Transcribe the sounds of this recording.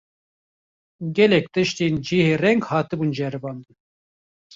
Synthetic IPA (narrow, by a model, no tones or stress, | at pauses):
ɡʲɛlɛk̚t̪ɨʃt̪end͡ʒiːheːrɛŋɡhɑːt̪ɨbuːnd͡ʒɛɾɨbɑːnd̪ɨn